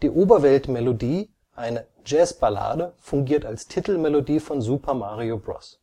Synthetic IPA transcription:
d̥iːʔoːbɐvɛltmɛlodiː | ʔaɪnə | d͡ʒɛːsb̥ala̰ːdəfʊŋɡiːɐtalstʰitl̩mɛlodiːfɔnzuːpʰɐmaːʁiobʁɔ̰s

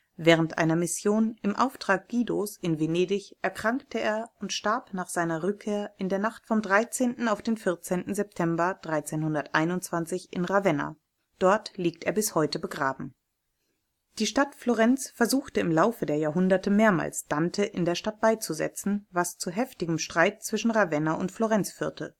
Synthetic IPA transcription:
vɛːʁ̞əntʔa̰ɪnɐmɪsjoːnɪmʔa̰ʊftʁ̥aːk̚ɡ̥iːdosʔɪnveneːdɪçʔɛɐkʁ̥aŋk̚təeːɐʊntʃtaɐpnaːχz̥aɪnɐʁʏkʰːeːɐʔɪndeːɐnaχtfɔmdʁaɪt͡seːntn̩aʊfd̥eːnfɪɐt͡seːntn̩zɛp̚tʰɛmbɐd̥ʁaɪt͡seːnhʊndɐtʔaɪnʊntt͡sv̥ant͡sɪçɪ̰nʁavɛna̰ | d̥ɔɐtliːk̚teːɐbɪshɔʏtəbəɡʁaːbm̩ | d̥iːʃtatfloʁɛnt͡sfɛɐzuːxtəɪmlaʊfədeːɐjaːɐɦʊndɐtəmeːɐma̰ːlsd̥antʰəʔɪndeːɐʃtat̚b̥aɪt͡suzɛ̰t͡sn̩vast͡suɦɛftɪɡəm̩ʃtʁ̥aɪt̚t͡sv̥ɪʃn̩ʁavɛnaʔʊntfloʁɛnt͡sfyːɐtʰə

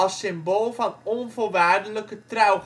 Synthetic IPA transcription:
ɑlˠsɪmbolˠvɑnɔnvoːrʋaːrdələkətrœw

